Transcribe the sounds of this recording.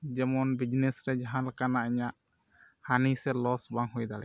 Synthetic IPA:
d͡ʒɛmɔnbid͡ʒnɛsɾɛd͡ʒaɦãnlakanaʔiɲaʔ | hanisɛlɔsbaŋɦujd̪alɛ̰

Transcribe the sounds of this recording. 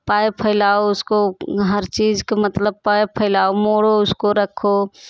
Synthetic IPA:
paːjpʰəɪlaːoʊskoɦəɾt͡ʃiːzkemət̪ləb̚paːepʰəɪlaːomoːɽoʊskoɾəkʰo

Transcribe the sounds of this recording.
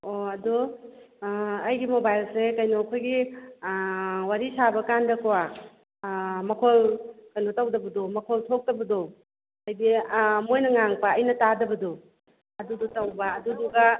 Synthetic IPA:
oɐdu | ɐjɡimobajlsekɐjnokʰojɡi | waɾisabɐkandɐkɐwa | mɐkʰolkɐjnotɐwdɐbɐdomɐkʰoltʰok̚tɐbɐdo | ɐjdimojnɐŋaŋpɐːjnɐtadɐbɐdo | ɐdudutɐwbɐːduduɡɐ

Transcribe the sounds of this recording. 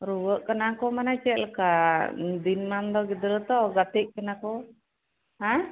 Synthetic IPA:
ɾuwəʔkənakɔmanat͡ʃɛlkad̪inmand̪ɔɡid̪ɾət̪ɔɡat̪iʔ̚kɛnakɔ | ɦa

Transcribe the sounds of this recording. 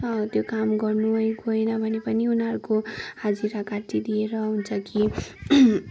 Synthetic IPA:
ʌt̪jokamɡʌrnuɦʌjɡojnʌbʱʌnepʌniunɦʌɾukohad͡ziɾakat̪id̪ieɾʌɦunt͡sʰʌki

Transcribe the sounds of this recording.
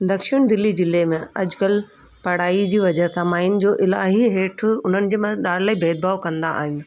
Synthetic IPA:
d̪ɐkʃɪɽ̃d̪ɪlːid͡ʑɪlemẽɐd͡ʑkəl | pɐɽ̤aːid͡ʑiːʋɐd͡ʑəɦsamaːɦɪnɪ̆d͡ʑoːʔɪla̰ːɦiɦeːʈʰʊʊn̤ənɪ̆d͡ʑeːmɐd̪aːɾlaːibʱeːd̪̚baːokɐ̃nd̪a̰a̰ːɦɪnɪ̆

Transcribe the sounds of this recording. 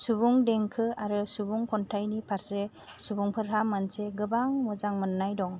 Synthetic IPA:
subuŋdeŋkʰɯaɾɯsubuŋkʰɔntʰajnipʰaɾse | subuŋpʰɯɾɦamanseɡɯbaŋmɔzaŋmɯnːajdɔŋ

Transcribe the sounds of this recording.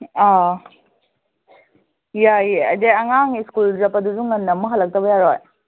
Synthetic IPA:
a | jajɐ̰deɐŋaŋiskulzɐpɐduzuŋːɐnːɐmuɦɐlɐk̚tɐbɐjaɾoj

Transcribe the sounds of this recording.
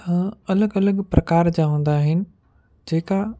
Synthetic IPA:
hə̃ːɐləɡɐləɠpɾɐkaːɾd͡ʑaːɦũːn̆d̪aːɦɪnɪ̆ | d͡ʑeːka

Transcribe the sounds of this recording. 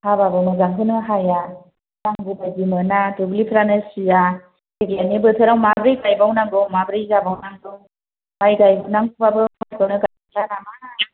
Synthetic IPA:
hababɯmɯzaŋkʰɯnɯɦaja | naŋbɯbajzimɯnadubulipʰɾanɯsija | keklanibɯtʰɯɾawmabɾijɡajbawnaŋdɯwmabɾijzabawnaŋdɯw | majɡajbawnaŋkubabɯmajtɔwnɯɡaakʰlaɾamana

